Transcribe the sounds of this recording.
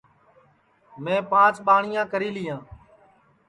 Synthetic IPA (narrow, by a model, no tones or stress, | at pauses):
mẽːpãːt͡ʃɓaːɳɪjãːkəɾiːlɪjãː